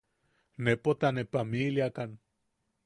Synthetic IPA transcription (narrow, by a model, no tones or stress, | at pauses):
nepot̪anepamiliakan